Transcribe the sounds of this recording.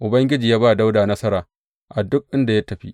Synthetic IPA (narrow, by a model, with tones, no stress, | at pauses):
ʔʊ˨bɐ˦ŋɡʲɪ˦d͡ʒiː˨jaː˦baː˦˨da˦wdaː˨nɐ˦sɐ˦ɾaː˨ | ʔa˨dʊ˦k̚ʔɪ˦nda˨ja˦tɐ˨ɸi˦ʔ